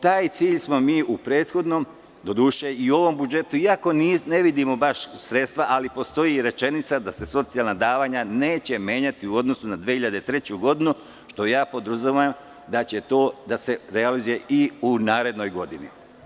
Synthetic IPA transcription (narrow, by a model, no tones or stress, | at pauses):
t̪aːjt̪siːʎsmo̞miːʔupɾe̞ːt̪xo̞d̪no̞m | d̪o̞d̪uʃeio̞ʋo̞mbud͡ʒe̞t̪uiako̞nine̞ʋid̪imo̞baʃsɾe̞t̪st̪ʋaʔalipo̞st̪o̞jiɾe̞t͡ʃe̞nit̪sad̪ase̞so̞t̪sialˠnad̪aːʋaːɲane̞ːt͡ɕe̞me̞ːɲat̪iuo̞d̪no̞sunad̪ʋehiʎad̪et̪ɾe̞t͡ɕuɡo̞d̪inu | ʃt̪o̞jaːpo̞d̪ɾuzuʋajm | d̪at͡ɕe̞t̪o̞ːd̪ase̞ɾealizuje̞ʔiunaːɾe̞d̪no̞jɡo̞d̪inḭ